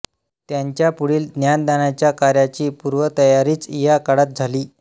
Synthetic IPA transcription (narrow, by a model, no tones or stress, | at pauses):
t̪jaɲt͡ɕjapuɽiːld̪njand̪aɳjat͡ɕjakaɾjat͡ɕiːpuɾʋət̪əjaɾiːt͡sijakaɽat̪̚d͡zʱaliː